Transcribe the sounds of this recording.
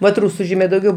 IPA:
ʋɐt ˈruːsʊ ˈʒʲiːmʲeː dɐʊˈɡʲɛʊ

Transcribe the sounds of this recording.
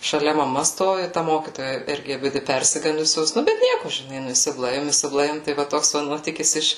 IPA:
ʃɐˈlʲɛ mɐˈmɐ ˈstoːʋʲɪ tɐ ˈmoːkʲiːtoːjɛ ˈɪrʲɡʲɪ ɐˈbʲɪdʲɪ ˈpʲɛrʲsʲɪɡɐndʊsʲoːs ˈnʊ bʲɛt ˈnʲiɛkʊ ʒʲɪˈnɐɪ ˈnʊ ɪsʲɪˈblˠɐɪʋʲɪm ɪsʲɪbˈlˠɐɪʋʲɪm ˈtɐɪ ʋɐ ˈtoːks ʋɐ ˈnuɔtʲiːkʲɪs ˈɪʃ

